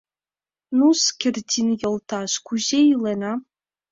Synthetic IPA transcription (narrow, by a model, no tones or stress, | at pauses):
nuskʲʰerʲdʲʰinjɤlˠt̪ʰaʃkuʑeilena